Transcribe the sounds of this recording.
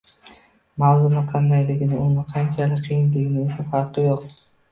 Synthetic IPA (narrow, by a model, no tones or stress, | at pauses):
mawzʊnɪqʰɑnd̪ajlɪɡʲɪnɪʊnɪqʰɑnt͡ʃʰalɪkʲqʰijɪnlɪɡʲɪnɪesafɑɾqʰɨjoq